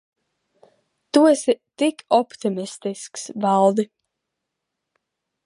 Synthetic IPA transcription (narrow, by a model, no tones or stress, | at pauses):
t̪uɔsit̪ikʰɔpt̪imist̪isksvalˠd̪i